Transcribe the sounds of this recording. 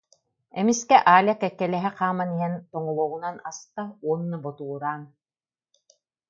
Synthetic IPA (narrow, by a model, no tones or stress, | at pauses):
ɛmiskɛʔaːlʲakɛkːɛlɛɦɛqaːmaniɦɛnt̪ɔŋɔlˠɔːʁunanastauɔnːɯbɔt̪uːɾaːn